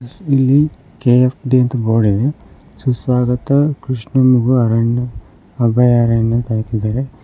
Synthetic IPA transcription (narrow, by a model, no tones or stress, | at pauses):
ilːi | keepʰɖiɐnt̪ɐboːɽid̪e | susʋaːɡɐt̪ɐkɾiʂɳɐmuɡuɐɾɐnɐ | ɐbɐjaɾɐnɐnt̪ɐaːkid̪aːɾe